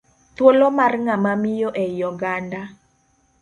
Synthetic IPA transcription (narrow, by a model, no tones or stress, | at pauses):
t̪wolomarŋamamɪjoʔɛjɔɡanda